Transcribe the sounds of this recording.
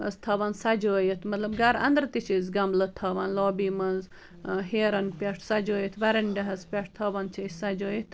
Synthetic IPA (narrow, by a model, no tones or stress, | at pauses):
ɐst̪ʰɐʋɐnsɐd͡ʒoːjit̪ʰmɐt̪lɐbɡɐɾɐ̰nd̪ɾt̪it͡ʃʰizɡɐmblɐt̪ʰɐʋɐnloːbiːmɐnz | ɦeːɾɐnpʲɐʈʰsɐd͡ʒoːjit̪ʰʋɐɾɐnɖɐɦɐzpʲɐʂʰt̪ʰɐːʋɐnt͡ʃʰɐsɐd͡ʒoːjit̪ʰ